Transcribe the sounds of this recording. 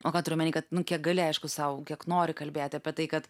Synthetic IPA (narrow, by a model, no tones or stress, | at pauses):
oːkɑːt̪ʊɾʲʊmɐnʲiːkɐt̪nʊkʲiɛk̚ɡɐlʲɪɐɪʃkʊsɐʊkʲiɛknoːɾʲɪkɐlʲbʲeːt̪ʲɪɐpʲɛt̪ɐɪkɐt̪